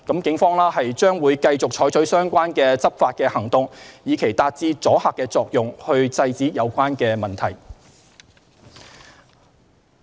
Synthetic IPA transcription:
kɐ˨˥mkɪ˨˥ŋfɔː˥ŋlaː˥ɦɐ˨jt͡ʃœː˥ŋwuː˨˧jkɐ˧jt͡sʊ˨k̚t͡ʃʰɔː˨˥jt͡sʰɵ˨˥ɥsœː˥ŋkʷaː˥nkɛː˧t͡sɐ˥p̚faː˧t̚kɛː˧hɐ˨˩ŋt̪ʊ˨ŋjiː˨˧kʰe˨˩jt̪aː˧t̚t͡siː˧t͡sɔː˨˥haː˨kːɛː˧t͡sɔː˧k̚jʊ˨ŋhɵ˧ɥt͡sɐ˧jt͡siː˨˥jɐ˨˧wkʷaː˥nkɛː˧mɐ˨nt̪ʰɐ˨˩j

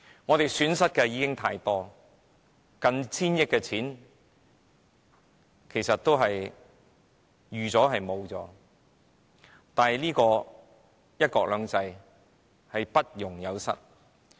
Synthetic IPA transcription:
ŋɔː˨˧t̪e˨jsyː˨˥nsɐ˥t̚kɛː˧jiː˨˧kɪ˥ŋt̪ʰaː˧jt̪ɔː˥ | kɐ˧nt͡sʰiː˥njɪ˥k̚ːɛ˧t͡sʰiː˨˥n | kʰe˨˩jsɐ˨t̚t̪o˥wɦɐ˨j | jyː˨t͡sɔː˨˥ɦɐ˨jmo˨˧wt͡sɔ̰ː˨˥ | t̪aː˨nɦliː˥kɔː˧ | jɐ˥t̚kɔː˧k̚lœː˨˧ŋt͡sɐ˧j | hɐ˨jpɐ˥t̚jʊ˨˩ŋjɐ˨˧wsɐ̰˥t̚

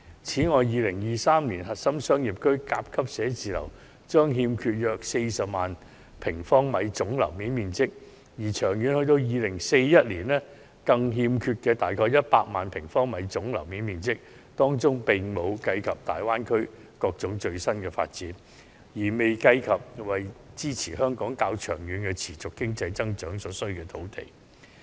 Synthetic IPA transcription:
t͡sʰiː˨˥ŋɔː˨˧jːiː˨˧lɪ˨˩ŋjiː˨saː˥mliː˨˩nɦɐ˨t̚sɐ˥msœː˥ŋji˨p̚kʰɵ˥ɥkaː˧p̚kʰɐ˥p̚sɛː˨˥t͡siː˨lɐ̰˨˩w | t͡ʃœː˥ŋɦiː˧mkʰyː˧t̚jœː˨k̚se˧jsɐ˨p̚maː˨n | pʰɪ˨˩ŋfɔː˥ŋmɐ˨˧jt͡sʊ˨˥ŋlɐ̰˨˩wmiː˨˥nmiː˨nt͡sɪ˥k̚ | jiː˨˩t͡ʃʰœː˨˩ŋjy˨˥nhɵ˧ɥt̪o˧wjiː˨˧lɪ˨˩ŋse˧jːɐ˥t̚liː˨˩nlɛː˥ | kɐ˧ŋɦiː˧mkʰyː˧t̚kɛː˧t̪aː˨jkʰɔː˧jɐ˥t̚paː˧k̚maː˨npʰɪ˨˩ŋfɔː˥ŋmɐ˨˧jt͡sʊ˨˥ŋlɐ̰˨˩wmiː˨˥nmiː˨nt͡sɪ˥k̚ | t̪ɔː˥ŋt͡sʊ˥ŋpɪ˨ŋmo˨˧wkɐ˧jkʰɐ˨p̚t̪aː˨jwaː˥nkʰɵ˥ɥ | kɔː˧k̚t͡sʊ˨˥ŋt͡ʃɵ˧ɥsɐ˥nkɛː˧fa̰ː˧t̚t͡siː˨˥n | jiː˨˩me˨jkɐ˧jkʰɐ˨p̚wɐ˨jt͡siː˥t͡sʰiː˨˩hœː˥ŋkɔː˨˥ŋkaː˧wt͡ʃʰœː˨˩ŋjyː˨˥nkɛ˧t͡sʰiː˨˩t͡sʊ˨kːɪ˥ŋt͡sɐ˧jt͡sɐ˥ŋt͡ʃœː˨˥ŋsɔː˨˥sɵ˥ɥkɛː˧t̪ʰo˨˥wt̪ḛ˨j

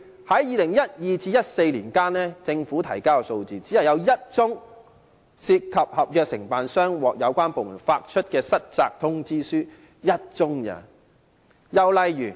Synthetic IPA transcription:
hɐ˨˥jjiː˨˧lɪ˨˩ŋjɐ˥t̚jiː˨t͡siː˧jɐ˥t̚se˧jliː˨˩nkaː˥nlɛː˥t͡sɪ˧ŋfuː˨˥t̪ʰɐ˨˩jkaː˥wkɛ˧so˧wt͡siː˨t͡siː˨˥jɐ˨˩wjɐ˨˧wjɐ˥t̚t͡sʊ˥ŋ | siː˧t̚kʰɐ˨p̚hɐ˨p̚jœː˨˧k̚sɪ˨˩ŋpaː˨nsœː˥ŋwɔː˨k̚jɐ˨˧wkʷaː˥npo˨wmṵ˨˩nfaː˧k̚t͡ʃʰɵ˥t̚kɛː˧sɐ˥t̚t͡sa̰ː˧k̚t̪ʰʊ˥ŋt͡siː˥syː˥ | jɐ˥t̚t͡sʊ˥ŋjɐ̰˨˩ | jɐ˨wlɐ˨jyː˨˩

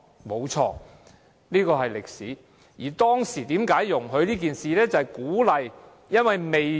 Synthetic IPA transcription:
mo˨˧wt͡sʰɔ̰ː˧ | liː˥kɔː˧ɦɐ˨jlɪ˨k̚sḭː˨˥ | jiː˨˩t̪ɔː˥ŋsiː˨˩t̪iː˨˥mkaː˨˥jːʊ˨˩ŋɦɵ˧ɥliː˥k̬iː˨nsiː˨lɛː˥t͡sɐ˨hjkuː˨˥lɐ˨j | jɐ˥nwɐ˨jme˨j

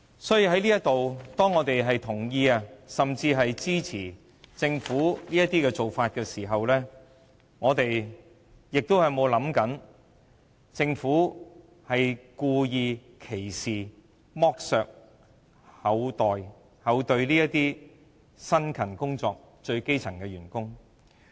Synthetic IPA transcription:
sɔː˨˥ji˨˧ɦɐ˨˥jliː˥jɐ˥t̪o˨wt̪ɔː˥ŋːɔː˨˧t̪e˨jɦɐ˨jt̪ʰʊ˨˩ŋjiː˧aː˧sɐ˨mt͡siː˧ɦɐ˨jt͡siː˥t͡sʰiː˨˩ | t͡sɪ˧ŋfuː˨˥liː˥jɐ˥t̪iː˥kɛː˧t͡so˨wfaː˧t̚kɛː˧siː˨˩ɦɐ˨wlɛː˥ | ŋɔː˨˧t̪e˨j | jɪ˨k̚t̪o˥whɐ˨jmo˨˧wlɐ˨˥mkɐ˨˥n | t͡sɪ˧ŋfuː˨˥ | hɐ˨jkuː˧jiː˧ | kʰe˨˩jsiː˨ | mɔː˥k̚sœː˨˧k̚ | hɐ˨˧˥wt̪ɔː˨j | hɐ˨˥wt̪ɵ˧ɥliː˥jɐ˥tt̪iː˥ | sɐ˥nkʰɐ˨˩nkʊ˥ŋt͡sɔː˨˧k̚ | t͡ʃɵ˧ɥke˥jt͡sʰɐ˨˩ŋkɛː˧ɥyː˨˩nkʊ˥ŋ

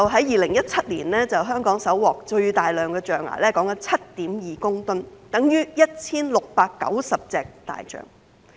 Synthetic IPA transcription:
ɐ˨wɦɐ˨˥jjiː˨lɪ˨˩ŋjɐ˥t̚t͡sʰɐ˥t̚liː˨˩nlɛː˥t͡sɐ˨wɦœː˥ŋkɔː˨˥ŋsɐ˨˥wːɔː˨k̚t͡ʃɵ˧ɥt̪aː˨jlœː˨ŋkɛː˧t͡ʃœː˨ŋa̰ː˨˩lɛː˥kɔː˨˥ŋkɐ˧˥nt͡sʰɐ˥t̚t̪iː˨˥mjiː˨˩kʊ˥ŋt̪ʊ˥nt̪ɐ˨˥ŋjyː˥jɐ˥t̚t͡sʰiː˥nlʊ˨k̚paː˧kːɐ̰˨˥wsɐ˨p̚t͡sɛː˨k̚t̪a̰ː˨jt͡ʃœ̰ː˨˩ŋ

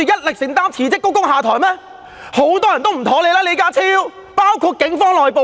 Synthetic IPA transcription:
y˨˧jɐ˥t̚lɪ˨k̚sɪ˨˩ŋt̪aː˥mt͡sʰiː˨˩t͡sɪ˥kːkʊ˥ŋɦaː˨˧t̪ʰɔː˨˩jmɛː˥ | ho˨˥wt̪ɔː˥jɐ˨˩nt̪o˥wm̩˨˩t̪ʰoː˨˥le˨˧jlɛː˥le˨˧jkaː˥t͡sʰiː˥w | paː˥wkʰuː˧t̚kɪ˨˥ŋfɔː˥ŋlɔː˨jpo˨˧

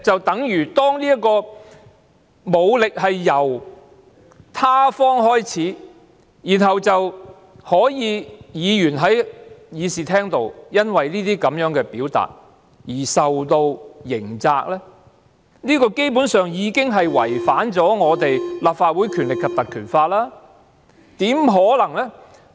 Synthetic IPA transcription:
t͡sɐ˨wt̪ɐ˨˥ŋjyː˨˩t̪ɔː˥ŋliː˥jɐ˥kːɔː˧ | mo˨˧wlɪ˨k̚hɐ˨jːɐ˨˩w | t̪ʰaː˥fɔː˥ŋɦɔː˥jt͡sʰiː˨˥ | jiː˨˩nɦɐ˨wt͡sɐ˨w | hɔː˨˥jiː˨˧jiː˨˧jyː˨˩nɦɐ˨˥jjiː˨˧siː˨˩t̪ʰɛː˥ŋt̪o˨˧wjɐ˥nwɐ˨jniː˥t̪iː˥kɐ˨˧mjœː˨˥ŋkɛː˧piː˨˥wt̪a̰ː˨t̚ | jiː˨˩sɐ˨wt̪o˧wjɪ˨˩ŋt͡saː˧k̚lɛː˥ | niː˥kɔː˧ke˥jpuː˨˥nsœː˨ŋjiː˨˧kɪ˥ŋɦɐ˨jwɐ˨˩jfaː˨˥nt͡sɔː˨˥ŋɔː˨˧t̪e˨jlaː˨p̚faː˧t̚wu˨˥jkʰyː˨˩nlɪ˨kʰːɐ˨p̚t̪ɐ˨kʰyː˨˩nfaː˧t̚laː˥ | t̪iː˨˥mɦɔː˨˥lɐ˨˩ŋlɛ˥

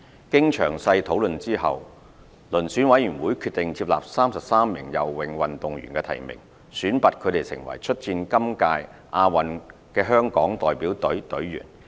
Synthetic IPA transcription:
kɪ˥ŋt͡ʃʰœː˨˩ŋsɐ˧jt̪ʰo˨˥wlɵ˨nt͡siː˥ɦɐ̰˨˩w | lɵ˨˩nsyː˨˥nwɐ˨˥jɥyː˨˩nwuː˨˥jkʰyː˧t̚t̪ɪ˨ŋt͡siː˧p̚la̰ː˨p̚saː˥msɐ˨p̚saː˥mːɪ˨˩ŋjɐ̰˨wwɪ˨˩ŋwɐ˨nt̪ʊ˨ŋjyː˨˩nkɛː˧t̪ʰɐ̰˨˩jmɪ̰˨˩ŋ | syː˨˥npɐ˨˧t̚kʰɵ˨˧ɥɾe˨˩jsɪ̰˨˩ŋwɐ̰˨˩jt͡ʃʰɵ˥t̚t͡siː˧nkɐ˥mkaː˧jʔaː˧wɐ˨n | kɛː˧ɦœː˥ŋkɔː˨˥ŋt̪ɔː˨jpiː˨˥wt̪ɵ˨˥ɥt̪ɵ˨˥ɥːy̰ː˨˩n

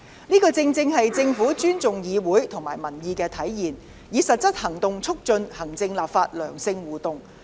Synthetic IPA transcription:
niː˥kɔː˧t͡sɪ˧ŋt͡sɪ˧ŋɦɐ˨jt͡sɪ˧ŋfuː˨˥t͡ʃyː˥nt͡sʊ˨ŋjiː˨˧wuː˨˥jt̪ʰʊ˨˩ŋmaː˨˩jmɐ˨˩njiː˨˧kɛː˧t̪ʰɐ˨˥jjiː˨˩n | jiː˨˧sɐ˨t̚sɐ˥t̚hɐ˨˩ŋt̪ʊ˨ŋt͡sʰʊ˥k̚t͡ʃɵ˧nhɐ˨˩ŋt͡sɪ˧ŋlaː˨p̚faː˧t̚lœ̰ː˨˩ŋsɪ˧ŋwuː˨˩t̪ʊ˨ŋ

